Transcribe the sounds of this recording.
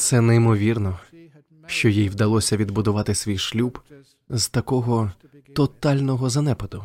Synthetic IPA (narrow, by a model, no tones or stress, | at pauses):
t̪sɛnejmɔʋʲirnɔ | ʃt͡ʃɔjijʋd̪ɐlˠɔsʲɐʋʲid̪bʊd̪ʊʋɑt̪ɪsʲʋʲijʃlʲub | z̥t̪ɐkɔɦɔ | t̪ɔt̪ɑlʲnɔɦɔzɐnɛpɐd̪ʊ